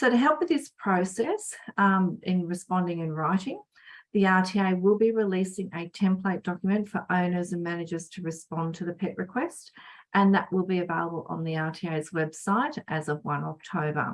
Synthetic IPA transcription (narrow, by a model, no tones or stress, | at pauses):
səʊɾɨɦɛlˠpwɨðɪspʰɹ̥oʊsɛs | ɪ̃nɹɨspɑ̃ndɪ̃ŋɨ̃nɹaɪɾɪ̃ŋ | ðiɑtʰieɪwɪlˠbiɹilisɪ̃ŋʔɨtʰɛ̃mpʰleɪt̚d̥ɑkjəmɨ̃ntfə˞ʔõʊ̃nə˞zɨ̃nmænɨd͡ʒə˞z̥tʰɨɹɨspɑ̃ntʰɨðɨpʰɛʔ̚ɹɨkʰw̥ɛstʔɨ̃nðɨʔwɪlˠbiɨveɪlˠəbəl̩ˠə̰̃nðiɑɹtʰieɪzwɛb̥saɪɾʔɨzʌvwʌ̃nɑk̚tʰəʊbə̰˞